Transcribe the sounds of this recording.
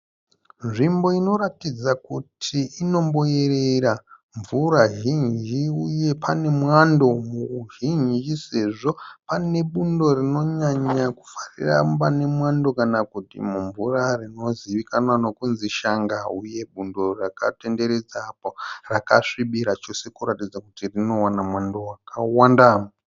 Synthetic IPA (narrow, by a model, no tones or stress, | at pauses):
nʐimbo̞ino̞ɾatid͡zakutʰiino̞mboereɾa | ɱvuɾaʒind͡ʒiuje̞pʰane̞mwando̞mukuʒind͡ʒise̞ʐo̞pane̞ɓundo̞rino̞ɲaɲaku̥farḭra̰pane̞mwando̞kanakutḭmuɱvurarino̞ziʋikanwano̞kunziʃaŋɡauje̞ɓundo̞rakate̞nde̞ɾed͡zaːporaka̰ʂiɓiɾat͡ʃo̞se̞kuɾatid͡zakutirino̞wanamwandowakawanda